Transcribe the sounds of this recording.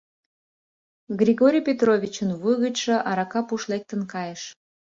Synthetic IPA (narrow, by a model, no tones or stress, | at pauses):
ɣrʲiɣoɾʲijpʲet̪rovʲit͡ɕənβujɣət͡ɕʃəʔɑɾɑkɑpuʃlek̚t̪ənkɑjeʃ